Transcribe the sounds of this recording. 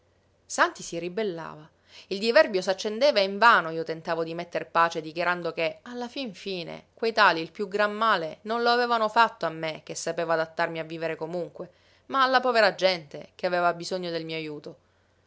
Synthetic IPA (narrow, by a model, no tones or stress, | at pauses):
sant̪isiribelːa̰ːva | ild̪ivɛrbjos̬at͡ʃːend̪eːvaiɱvaːnoiːot̪ent̪aːvod̪imet̪ːerpaːt͡ʃed̪ikjaɾand̪okealːafiɱfiːnḛkwejt̪aːliːlpjuɡɾamːaːlenonloavɛːvanofat̪ːoamːek̟esːapeːvoad̪at̪ːarmiavːiːveɾekomuŋkwe | maːlːapɔːveɾad͡ʒɛnt̪ekeaveːvabizoɲːod̪elmiːoajuːt̪o